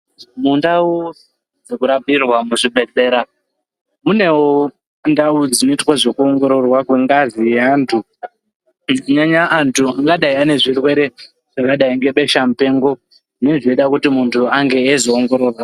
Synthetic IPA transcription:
mundawo | d͡zekuɾabirwamuʐibʱe̞d͡ze̞ːɾa | mune̞wo | ndaud͡zinoitwaʐo̞kuo̞ŋɡo̞ɾo̞rwakweŋɡazijeaːntʰu | ɲaɲaʔːntʰuaŋɡaɗaiane̞ʐirwe̞ɾe̞ | ʐ̥akaɗaiŋɡe̞ɓe̞ʃamupe̞ːŋɡo̞ | ʐneʐieiɗakutimuntʰuaŋɡe̞ːzooŋɡo̞ɾo̞ːrwa

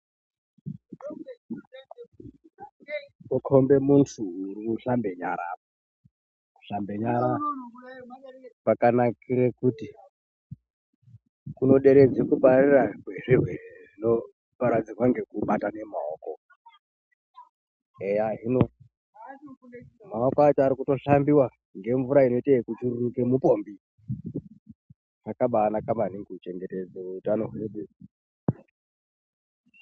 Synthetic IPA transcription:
okʰombe̞muntʰuːriuɬambe̞ɲaɾa̰ːp | ku̥ɬambeɲaɾa | pakanakiɾekuti | kuno̞ɗe̞ɾed͡zikupariraɡweʐiɦweʐino | paɾad͡zirwaŋɡe̞kuɓatane̞maoːko | ejaɦino | maokoat͡ʃoaɾikuto̞ɬambiwa | ŋɡe̞ɱvuɾaino̞itekut͡ʃururukemupo̞ːmbi | nakaɓaːnakambaniŋɡut͡ʃe̞ŋɡe̞ted͡zeutano̞ɦweɗe

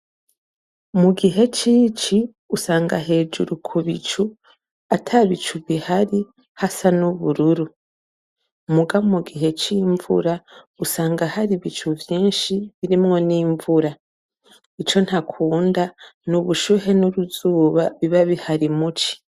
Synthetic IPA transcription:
muɡiɦe̞t͡ʃiːt͡ʃi | usaːŋɡa̰ɦe̞ːd͡ʒuɾukʰuβit͡ʃu | atʰaβit͡ʃuβihaɾi | hasanuβuɾuɾu | muɡamuɡiɦe̞t͡ʃiːɱvṵɾa | usaːŋɡahaɾiβit͡ʃuvjiːnʃiβiɾimŋo̞niːɱvuɾa | it͡ʃo̞nhakʰuːndanuβuʃuɦe̞nuɾuzuːβaβiβaβihaɾimut͡ʃi̥

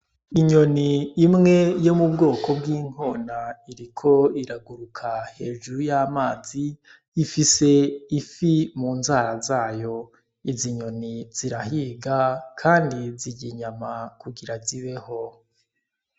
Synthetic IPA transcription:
iɲo̞niːmŋe̞jo̞mubɡo̞ːkʰo̞bɡiːŋ̥o̞ːnaiɾikʰo̞iɾaɡuɾukʰahe̞ːʒuɾujaːmaːziː | fise̞ifimuːnzaːɾazaːjo̞ | iziɲo̞niz̥iɾahiɡakʰaːndiziɟiɲamakuɡiɾaziβe̞ho̞

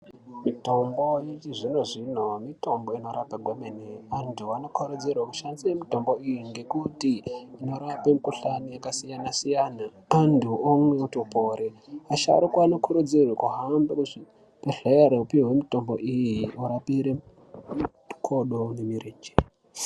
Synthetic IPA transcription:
mito̞mbo̞jet͡ʃiʐino̞ʐino̞mito̞mbo̞ino̞ɾapaɡʱwemeneantʰuano̞kʰoɾud͡zirwakuʃanziwemito̞mboijiŋɡe̞kutiino̞ɾapemukuɬanijakasijanasijaːnaː | ntʰuomweutopoɾeaʃa̰ɾikwanokʰuɾud͡zirwakuɦambakuʐi | peɬejaɾeupiwe̞mito̞mbo̞̰ʔijiuɾapiɾe | kʰoɗonemireːd͡ʒe̥

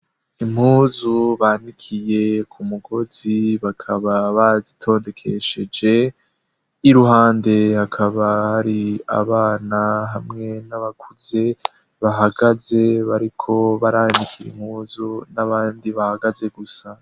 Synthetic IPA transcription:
im̥huːzuβaːnikʰije̞kʰumuɡo̞ziβakʰaβaβazitʰo̞ːnde̞kʰe̞ʃe̞d͡ʒe̞ | iɾuɦaːnde̞hakʰaβahaɾia̰βaːnaɦamŋe̞naβakʰuz̥e̞ | βaɦaɡaze̞βaɾikʰo̞βaɾanikʰiɾḭm̥huːzunaβaːndiβahaɡaze̞ɡusa

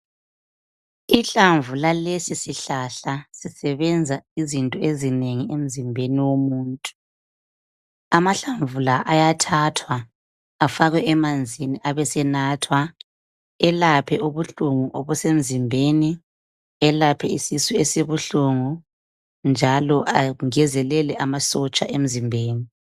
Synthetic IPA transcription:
iɬaɱvulalesisiɬaɬasisɛβɛnd͡zʱaizintʼɔezineŋiem̩zimbʱeniwomuːntʼu̥ | amaɬaɱvulaʔajatʰatʰwa | afaɣwɛʔɛmand͡zʱiniʔaβɛsɛnaːtʰwa | ɛlapʰɛʔuβuɬuŋuʔoβusem̩zimbʱeni | ɛlapʰɛisisuesiβuɬuŋu | nd͡ʒʱalɔʔaŋɛzɛlɛlɛʔamasɔt͡ʃʼa̰ʔem̩zimbʱeːni

